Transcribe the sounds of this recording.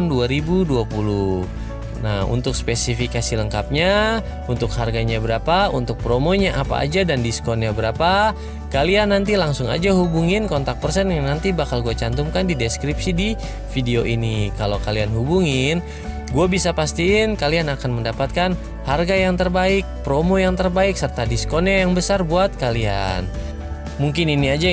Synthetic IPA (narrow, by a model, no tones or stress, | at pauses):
nduaɾibuduapulu | naṵnt̪ʊkspesifikasiləŋkap̚ɲa | unt̪ʊkharɡaɲabəɾapaunt̪ʊk̚pɾomoɲaʔapa̰ʔa̰d͡ʒadandiskɔnɲabəɾapa | kalianːant̪ilaŋsʊŋa̰d͡ʒaɦubuŋɪnkɔnt̪ak̚pərsɛnnant̪ibakalɡuat͡ʃant̪umkandideskɾipsidi | fideoʔinikalowkalianɦubuŋɪn | ɡuabisapast̪iːnkalianakanməndapat̪̚kan | harɡajaŋt̪ərbaɪk̚pɾomojaŋt̪ərbaɪksərt̪adiskonajaŋbəsarbuat̪̚kalia̰n | muŋkɪniniad͡ʒa